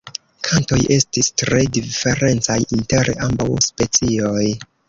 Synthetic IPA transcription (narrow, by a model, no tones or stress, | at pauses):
kʰanto̞jʔe̞stistɾe̞dife̞ɾe̞nt͡sajʔinte̞ɾambawspe̞t͡sio̞j